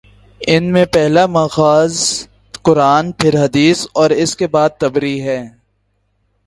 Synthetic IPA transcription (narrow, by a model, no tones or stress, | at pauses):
ɪnmẽpɛɦlamaːxaːz | kʊɾaːnpʰɪɾɦɐd̪iːsɔːɾɪskebaːd̪̚t̪ɐbɾiɦɛː